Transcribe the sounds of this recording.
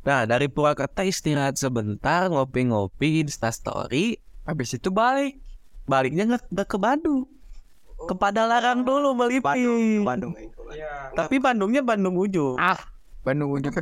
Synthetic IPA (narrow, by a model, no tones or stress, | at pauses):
nadaɾipuɾakət̪aist̪iɾat̪̚səbənt̪arŋopɪŋopinst̪ast̪o̰ɾiabɪsit̪ubalɪk̚ | balɪk̚ɲaŋaŋakəbadu | kəpadalaɾand̪ulubəlipŋbadʊŋ | t̪apibandʊŋɲabandʊŋud͡ʒʊ | bandʊŋud͡ʒu